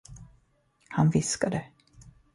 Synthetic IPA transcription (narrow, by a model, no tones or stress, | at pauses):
hanvɪskad̪ə